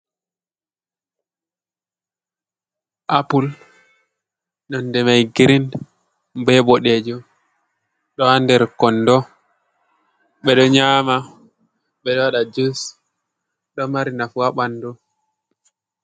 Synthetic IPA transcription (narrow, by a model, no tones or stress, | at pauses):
ʔapul | nɔndɛmajɡiɾin | mbɛɓɔɗɛd͡ʒɔ | ɗɔhandɛɾkɔndɔ | ɓɛɗɔɲama | ɓɛɗɔwaɗad͡ʒus | ɗɔmaɾinafuaɓandɔ